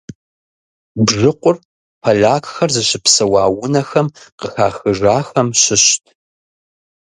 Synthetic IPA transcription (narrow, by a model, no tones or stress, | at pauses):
bʐɨqʷʊr | pʰɐɮaːkxɐrzɨɕɪpsɐwaːwʊnɐxɐmqəxaːxɨʒaːxɐmɕɪɕtʰ